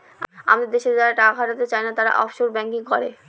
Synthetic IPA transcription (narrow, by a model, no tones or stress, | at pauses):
a̰mad̪eɾd̪eʃed͡ʑaɾaʈakaɦaʈat̪et͡ɕajnat̪aɾa̰ʔɔ̰fʃoɾbɛŋkiŋkɔɾe